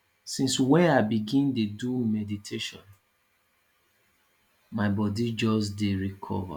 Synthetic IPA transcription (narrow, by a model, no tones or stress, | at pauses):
sĩnswɛ̃naɪbiɡĩndedumɛditʰeʃɔ̰̃n | maɪbɔdid͡ʒɔs̬deɹikʰɔ̰va̰